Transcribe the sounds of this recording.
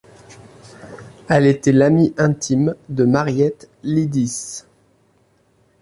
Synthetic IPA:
ɛlet̪ɛlamiʔɛ̃t̪ʰimd̪əmaʁjɛt̪ | lid̪is

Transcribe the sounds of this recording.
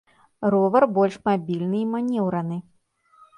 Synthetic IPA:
rɔvɐrbɔlʲʂmabʲilʲnɨimanʲɛwɾɐnɨ

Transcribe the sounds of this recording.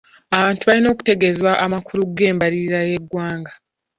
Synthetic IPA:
aβaːntuβalino̞ːku̥te̞ɡezwaʔamakuɾuɡe̞ːmbaɾiɾiɾaje̞ɡːwaːŋɡa

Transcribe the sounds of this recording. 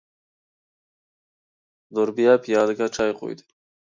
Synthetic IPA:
d̪ʊɾbijapʰijɑːlɡaʈ͡ʂajqṵjd̪i

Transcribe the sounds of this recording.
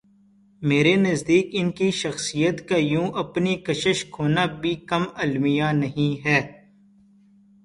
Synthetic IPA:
meːɾenɐzd̪iːkɪnkiʃɐxsijət̪kajũːʔɐpnikɐʃəʃkʰoːnabʱikɐmɐlmɪjanɐɦĩɦɛː

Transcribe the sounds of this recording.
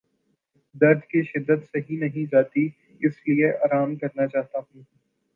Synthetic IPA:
d̪ɐɾd̪ʱkiʃɪd̪ːət̪seɦĩnɐɦĩd͡ʒaːt̪i | ɪslieʔaːɾaːmkɐɾnat͡ʃaːɦt̪aɦũː

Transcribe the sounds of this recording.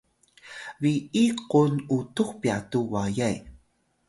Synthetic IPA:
ɾiiqunutuχpiatuwajaj

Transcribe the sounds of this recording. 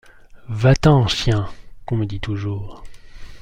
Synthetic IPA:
vat̪ɑ̃sjɛ̃kɔ̃məd̪it̪uʒuːʁ

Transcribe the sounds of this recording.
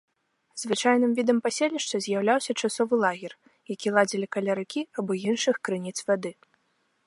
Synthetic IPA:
zvɨt͡ʂajnɨmvʲid̪ɐmpasʲelʲnʲiʂt͡ʂ̪ɐzʲjawlʲawsʲɐt͡ʂasɔvɨlˠaɣʲɛr | jakʲilˠad͡zʲilʲikɐlʲaɾɨkʲiabɔjinʂɨxkɾɨnʲit̪svad̪ɨ

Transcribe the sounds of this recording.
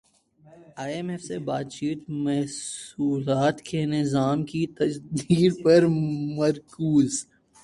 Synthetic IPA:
aːemefsebaːt̪t͡ʃiːt̪mɐɦsuːlaːt̪kenɪzaːmkit̪ɐsd̪iːd̪pɐɾmɐɾkuːz

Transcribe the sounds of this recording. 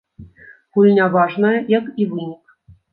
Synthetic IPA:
ɣulʲnʲavaʐnəjɐjakivɨnʲik

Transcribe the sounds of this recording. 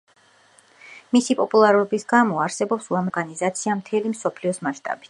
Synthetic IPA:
misipʼɔpʼulˠaɾɔbisɡamɔaɾsɛbɔpsuamɔɾɡanizat̪sʰiamt̪ʰɛlimsɔpʰliɔsmaʃt̪ʼa̰bi̥t̪

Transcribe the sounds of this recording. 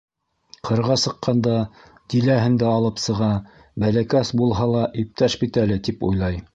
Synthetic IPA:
qʰɤ̆ɾʁɑsɤ̆qːɑnd̪ɑ | d̪̥ilæɦɘ̆nd̪æɑlˠɤpsɤ̆ʁɑ | bælækæsbulˠɦɑlˠɑʔip̚t̪æʃbit̪ælɘt̪ipṵjlˠɑj

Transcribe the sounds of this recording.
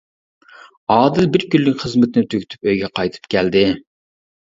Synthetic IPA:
ɑːd̪ɪlbɪɾkʲylːɪkʲχəzmɪt̪ʰɪnɪt̪ʰøkʲy̥t̪ʰy̥pøjɡʲɛqɑjt̪ʰɨ̥p̚kʲʰæld̪ɪ

